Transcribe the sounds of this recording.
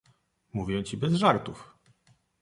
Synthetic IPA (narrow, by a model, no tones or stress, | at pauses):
muvʲjɛ̃t͡ɕibɛzʐaɾt̪uf